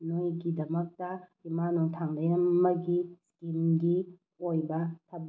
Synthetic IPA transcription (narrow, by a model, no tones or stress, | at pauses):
nojɡidɐmɐk̚tɐhimanoŋtʰaŋdɐjɐmːɐɡiskimɡi | ojbɐtʰɐb̚